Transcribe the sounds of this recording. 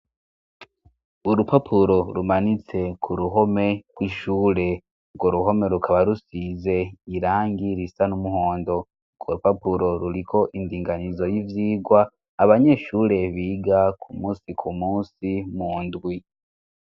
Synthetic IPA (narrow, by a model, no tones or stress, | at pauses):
uɾupapʰuɾo̞ɾumanit͡se̞kʰuɾuɦo̞me̞kwiʃuːɾe̞ | ɡoɾuɦo̞me̞ɾukʰaβaɾusize̞iɾaːŋɡiɾisanumuho̞ːndo̞ | ɡoɾupapuɾo̞ɾuɾikʰo̞ʔindiːŋɡanizo̞jivjiːɡwaː | βaɲe̞ʃuːɾe̞βiːɡakʰumuːsikʰumuːsimuːndwi